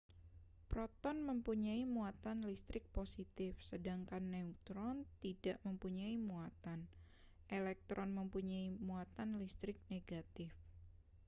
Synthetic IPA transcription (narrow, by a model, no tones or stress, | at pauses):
pɾɔt̪ɔnməmpuɲaimuat̪anlist̪ɾɪk̚posit̪ɪfsədaŋkanːɛut̪ɾɔnt̪idaʔməmpuɲaimuat̪an | ʔelɛk̚t̪ɾʔɔnməmpuɲaimuat̪anlist̪ɾɪk̚neɡat̪ɪf